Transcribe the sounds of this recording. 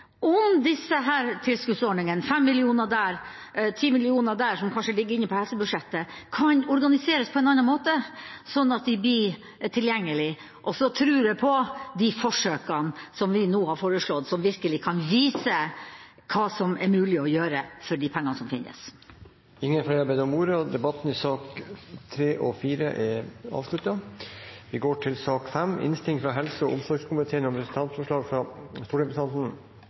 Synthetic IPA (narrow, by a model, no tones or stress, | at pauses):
ʔɔmd̪ɪsːəɦæːɾt̪ʰɪlskʉt̪sɔɖɳɪŋənfɛmːɪlɪuːnəd̪æːɾ | t̪ʰiːmɪlɪuːnəd̪æːʂɔmkʰɑnʂəlɪɡəɾɪnːəpʰɔhɛlsəbʉʂɛt̪ːəkʰɑnɔɾɡɑnɪseːɾəspʰɔɛnɑnːɑnmoːt̪əsɔnːɑt̪d̪ɪb̪iː | t̪ʰɪljɛŋːəlɪ | ʔɔsɔt̪ʰɾʉːɾɛpʰɔd̪ifɔʂøːkənsɔmʋɪnoːhɑɾfoːɾəʂɭɔd̪sɔmʋɪɾkəlɪkʰɑnʋiːsə | kʰɑːsɔmɛɾmʉːlɪɔjøːɾəfɔɖɪpʰɛŋːɑnəsɔmfɪnːə̰s | ɪŋːənflɛɪɑɾbæɪd̪əɾɔmuːɾəd̪ɛbɑt̪n̩ɪsɑːkt̪ʰɾeːʔɔfiːɾə̰ʔɛɑ̰ːʋslʉt̪ɑ | ʋɪɡoːʈʰɪlsɑːkfɛmːɪ̰nst̪ɪŋt̪fɾɑɦɛlsʊɔʔʊmsɔɾɡskʰʊmɪt̪ʰeːənɔmpʰɾɛsn̩t̪ɑnt̪fɔʂɭɑːɡfɾɑst̪uːɖɛpst̪ɑnt̪n̩